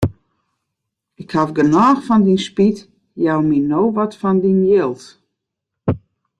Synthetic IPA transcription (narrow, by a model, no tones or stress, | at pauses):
ɪkhavɡənaːxfɔndinspit | jawminoːʋɔtfɔndinjɪlˠt